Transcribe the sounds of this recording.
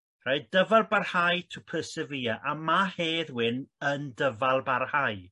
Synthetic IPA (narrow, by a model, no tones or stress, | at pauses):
raɨdəvalˠbarhajtʰupʰəsəvijaʔamaheːðwɪnəndəvalˠbarhaj